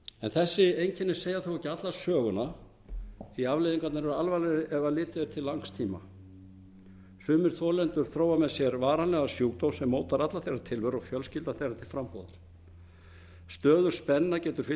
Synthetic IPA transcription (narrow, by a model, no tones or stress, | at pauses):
ɛnθɛsːɪejɲcʰɪnːɪ̥seːjaθowhɛcːɪat̪lḁsœːɣʏna | θiavlejðiŋkat̪naɾɛɾʏalvalɛɾɪʔɛvalɪːt̪ɪɪɾ̥t̪ʰɪlːaŋst̪ʰiːma̰ | sʏːmɪɾ̥θɔːlɛnt̪ʏɾ̥θɾoːwamɛðsjɛɾvaːɾanlɛɣasjuːkt̪owsɛmːoːwt̪aɾat̪laθejrːat̪ʰɪlvœɾɔɣfjœlscɪlt̪aθejɾat̪ʰɪlfɾampɔ̰ːwða̰ɾ̥ | st̪œːðʏɾ̥spɛnːacɛːt̪ʏɾ̥fɪ